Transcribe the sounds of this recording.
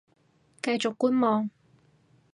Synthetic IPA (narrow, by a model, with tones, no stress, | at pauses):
kɐ˧jt͡sʊ˨kːuː˥nmɔː˨ŋ